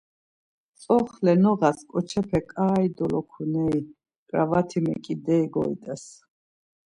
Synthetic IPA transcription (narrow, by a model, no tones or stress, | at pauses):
sʼɔχlɛnɔʁaskʼɔt͡ʃʰɛpʰɛkʼaːid̪ɔlɔkʰunɛi | kʼɾavat̪ʰimɛ̰kʼid̪ɛiɡɔ̰ḭt̪ʼɛs